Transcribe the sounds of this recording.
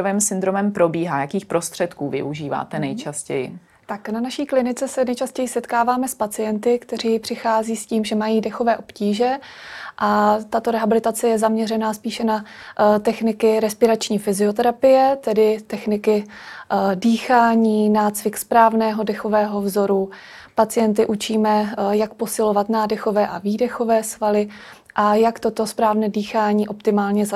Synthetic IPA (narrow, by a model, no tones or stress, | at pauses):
ovɛːmsɪnd̪ɾomɛmpɾo̞biːɦaːjakiːxpɾost̪r̝̥ɛt̪kuːvɪ̰ʔuʒiːva̰ːt̪ɛnɛjt͡ʃascɛ̰jɪ̰ | t̪aknanaʃiːklɪnɪt͡sɛsɛnɛjt͡ʃascɛjɪsɛt̪kaːvaːmɛspat͡sɪjɛnt̪ɪkt̪ɛr̝iːpr̝̥ɪxaːziːsciːmʒɛmajiːdɛxo̞vɛːʔo̞pciːʒɛʔat̪at̪oɾɛɦabɪlɪt̪at͡sɛjɛzamɲɛrɛnaːspiːʃɛnat̪ɛxnɪkɪɾɛspɪɾat͡ʃɲiːfɪzɪo̞t̪̬ɛɾapɪjɛt̪ɛdɪt̪ɛxnɪkɪ | diːxaːɲiːnaːt͡svɪkspɾaːvnɛːɦo̞dɛxo̞vɛːɦo̞vzo̞ɾu | pat͡sɪjɛnt̪̬ɪʔut͡ʃiːmɛjak̚posɪlo̞vat̪naːdɛxo̞vɛːʔaviːdɛxo̞vɛːsvalɪ | ʔajakt̪o̞t̪o̞spɾaːvnɛːdiːxaːɲiːʔo̞pt̪ɪmaːlɲɛza